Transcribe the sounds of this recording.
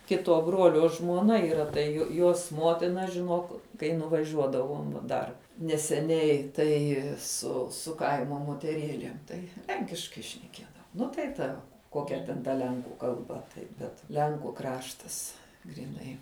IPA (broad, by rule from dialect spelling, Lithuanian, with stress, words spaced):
ˈkʲɪtuɔ ˈbruɔlʲoː ʒmuɔˈnɐ iːˈrɐ tɐɪ jʊ ˈjuɔs ˈmuɔtʲɪnɐ ʒʲɪˈnuɔk kɐɪ nʊʋɐˈʒʲuɔdɐʋoːm ʋɐ ˈdɐr nʲɛsʲɛˈnʲɛɪ ˈtɐɪ sʊ sʊ ˈkɐɪmoː moːtʲɛˈrʲeːlʲeːm ˈtɐɪ ˈlʲɛŋʲkʲɪʃkɐɪ ʃʲnʲɛˈkʲiɛdɐʋoː ˈnʊ tɐɪ ˈtɐ ˈkoːkʲɛ tʲɛn tɐ ˈlʲɛŋkuː kɐlˠˈbɐ tɐɪ bʲɛt ˈlʲɛŋkʊ ˈkrɑːʃtɐs ɡrʲiːˈnɐɪ